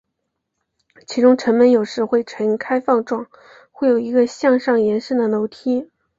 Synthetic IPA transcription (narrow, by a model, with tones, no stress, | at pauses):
t͡ɕʰi˧˥ʈ͡ʂʊ˥ŋʈ͡ʂʰə˧˥ŋmə˧˥njo˨˩ʊʂɻ̩˥xwe˥˩ɪʈ͡ʂʰə˧˥ŋ˧˩kʰa˥ɪfɑ˥˧ŋʈ͡ʂwɑ˥˩ŋ | xwe˥˩ɪjo˨˩ʊi˧˥ɡə˧ɕjɑ˥˧ŋʂɑ˥˩ŋjɛ˧˥nʂ̩˥˩d̪ə˩no˧˥ʊt̪ʰi˥